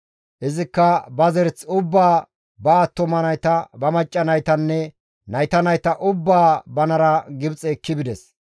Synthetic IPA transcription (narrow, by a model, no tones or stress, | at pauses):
ʔɪzɪkːɐbɐzɛɾt͡sʊbːaː | bɐːt̪ːɔmɐnɐjt̪ɐbɐmɐt͡ʃʼːɐnɐjt̪ɐnːɛ | nɐjt̪ɐnɐjt̪ɐʔʊbːaːbɐnɐɾɐɡɪbt͡sʼɛːkːɪbɪd̪ɛs